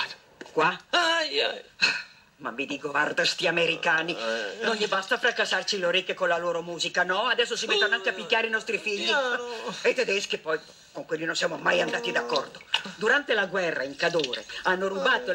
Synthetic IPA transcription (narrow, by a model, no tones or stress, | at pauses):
kwaj | ma̰mːid̪iːkovard̪ast̪iameɾikaːninonʎibast̪afɾakːasːart͡ʃiloɾikːekonlaloːɾomuːzikanɔad̪ɛsːosimɛt̪ːonakːiapːikːaːɾeinɔst̪ɾifiʎːiet̪ɛd̪ɛskipɔj | koŋkwelːinonsjamomajand̪aːt̪id̪akːɔrd̪od̪uɾant̪elaɡwɛrːa̰iŋkad̪oːɾḛanːoɾubaːt̪o